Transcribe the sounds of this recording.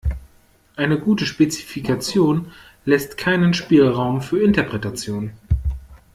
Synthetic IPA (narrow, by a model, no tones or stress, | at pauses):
ʔaɪnəɡuːtəʃpet͡si̥fikʰat͡sjoːn | lɛstkʰaɪnənʃpiːlʁaʊmfyːɐɪntɐpʁ̥ɛtat͡sjoːn